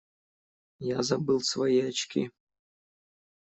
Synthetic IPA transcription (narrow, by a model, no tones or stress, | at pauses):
jazɐbɨlˠsvɐjiɐt͡ʃkʲʰḭ